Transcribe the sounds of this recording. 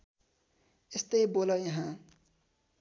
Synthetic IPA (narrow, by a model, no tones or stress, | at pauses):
est̪ʌjbolʌjʌɦã